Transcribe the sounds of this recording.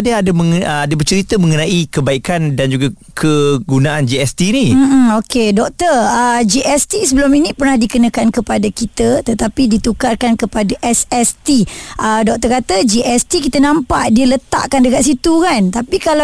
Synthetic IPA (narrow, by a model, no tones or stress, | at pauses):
adaadaməŋadabərt͡ʃəɾit̪əmə̃ŋənaikəbaikandand͡ʒuɡa | kʰəɡunaand͡ʒiɛst̪iːnim̩m̩okedɔk̚t̪ərəd͡ʒiʔɛst̪isəbəluminĩpərnahdikənakankəpadakit̪ət̪ət̪apidit̪ukarkankəpadaʔɛsɛst̪iʔədɔk̚t̪ərkat̪əd͡ʒiʔɛst̪ikit̪ənãmpaʔdiələt̪a̰ʔkandəkat̪̚sit̪ukant̪apikala